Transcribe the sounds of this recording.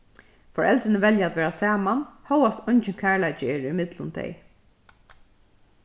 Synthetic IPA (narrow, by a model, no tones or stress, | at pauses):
fɔɹɛlt̪ɾɪnəʋɛljaat̪ʋɛːɹasaːmanhœwast̪ʊɲt͡ʃɪnkʰæːɹlajt͡ʃɪɛːɹimɪt̪lʊnt̪ʰɛ̰j